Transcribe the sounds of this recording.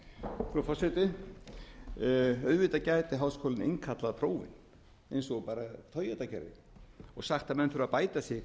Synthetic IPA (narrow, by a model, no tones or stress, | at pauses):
kɾɔfɔrsɛt̪ɪ | œðvɪt̪acajt̪ɪɦawskʰɔːlɪnḛŋkʰat̪laðpʰɾoːwvɪ̰n | ejnsɔɣpaːɾat̪ʰœɥjat̪acʰɛ̰ɾɪ̰ | ɔɣsaxt̪amɛnfʏɾðapaːjt̪asjɪ